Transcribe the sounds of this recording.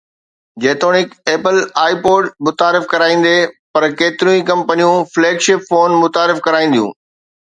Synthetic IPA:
d͡ʑeːt̪oːnɪkeːpəlaːipoːɖmʊt̪aːɾɪfkɐɾaːĩːn̆d̪epɐɾkeːt̪ɪɾũĩkɐ̃mpənijũfleːɡʃɪpfoːnmʊt̪aːɾɪfkɐɾaːĩnd̪ijṵ̃ː

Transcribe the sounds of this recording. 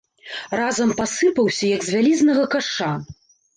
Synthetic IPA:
razɐmpasɨpɐwsʲɐjɐɡzʲvʲalʲiznɐɣɐkaʂa

